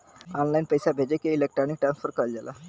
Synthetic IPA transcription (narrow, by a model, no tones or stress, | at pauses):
ɔnlainpəjsabʱed͡ʑekeilek̚ʈɾanik̚ʈamsfʰəɾkald͡ʑala̰